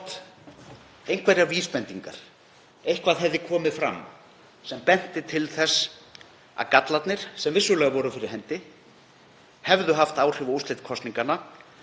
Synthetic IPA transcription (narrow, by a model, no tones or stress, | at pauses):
t̪ | ejnkʰvɛɾjaviːspɛnt̪iŋka̰ɾ̥ | ejhkvaðɦɛvðɪkʰɔːmɪðfɾa̰mː | sɛmpɛn̥t̪ɪt̪ʰɪlθɛsː | a̰kat̪lat̪nɪɾ̥sɛmvɪsːʏlɛːɣavɔɾʏfɪɾɪɾ̥ɦɛnt̪ɪ | hɛvðʏɦaft̪aːwr̥ɪvust̪lɪjt̪kʰɔst̪niŋkana